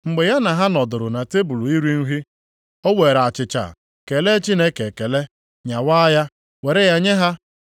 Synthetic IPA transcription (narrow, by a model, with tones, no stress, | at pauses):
ŋ͡m̩˨ɡ͡be˨ja˦na˨ɦa˦nɔ˨dʊ˨ɾʊ˨na˨te˦bu˨lu˨i˦ɾi˦n̩˦ɦi˦ | o˦we˨ɾa˨t͡ʃɪ˨t͡ʃa̰˨ | ke˨le˦t͡ʃi˦ne˦ke˨ke˨le˦ | ɲa˨wa˦ja˦ | we˨ɾe˦ja˦ɲe˦ɦa˦